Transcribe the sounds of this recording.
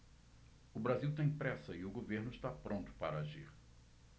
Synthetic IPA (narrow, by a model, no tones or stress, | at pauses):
ʊbɾaziwt̪ẽj̃pɾɛsɐɪʊɡoveɾnʊɪst̪apɾʔõnt̪ʊ̥paɾɐaʒiɾ